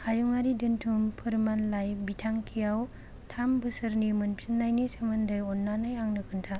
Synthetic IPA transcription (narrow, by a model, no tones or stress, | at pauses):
hajuŋaɾidɯntʰumpʰɯɾmanlajbitʰaŋkʰijaw | tʰambɯsɯɾnimɯnpʰinlajnisemɯndɯjɔnːanɯjaŋnɯkʰɯntʰa